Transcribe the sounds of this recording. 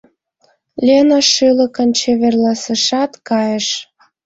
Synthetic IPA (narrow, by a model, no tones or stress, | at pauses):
lʲenoʃylə̆kə̆nt͡ɕeβerlɑsəʃɑt̪kɑjəʃ